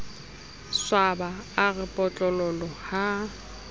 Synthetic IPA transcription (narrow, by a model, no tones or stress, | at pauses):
swabaaɣɪpʼɔt͡ɬʼɔlɔlɔha